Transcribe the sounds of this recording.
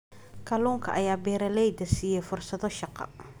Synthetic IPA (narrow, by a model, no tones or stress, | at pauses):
kʰɐluːŋkʰɐ̰ʔɐjaːbɛːɾɐlɛjd̪ɐsiːjɛjfʊrsɐðɔʃɑqɑ̰